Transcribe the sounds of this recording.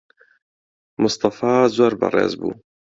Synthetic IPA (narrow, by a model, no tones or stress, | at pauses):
mʊst̪ɑfɑːzoːɾbɑ̰rˤḛːzbṵː